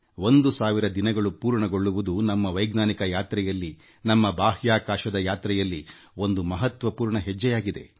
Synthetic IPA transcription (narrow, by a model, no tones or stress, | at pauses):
ʋo̞nd̪usaːʋiɾɐd̪inɐɡɐɭupuːɾɳɐɡo̞ɭːuʋud̪unɐmːɐʋɐjɡnaːnikɐjaːt̪ɾɛjɐlːi | nɐmːɐbaːɦjaːkaːʃɐd̪ɐjaːt̪ɾɛjɐlːi | o̞nd̪umɐɦɐt̪ʋɐpuːɾɳɐɦɛd͡ʒːɛjaːɡid̪e̞̰